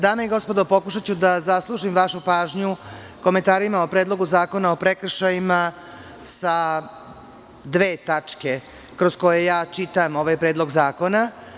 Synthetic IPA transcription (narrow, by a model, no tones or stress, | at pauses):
d̪aːmeiɡo̞spo̞d̪o̞po̞kuʃ̬at͡ɕud̪azaslˠuʒimʋaʃupaːʒɲu | ko̞me̞nt̪aːɾimao̞pɾeːd̪lˠo̞ɡuzaːko̞nao̞pɾekr̩ʃajima | sa | d̪ʋe̞ːt̪at͡ʂke̞ | kɾo̞sko̞jejaːt͡ʃit̪amoʋajpɾed̪lˠo̞ɡzaːko̞na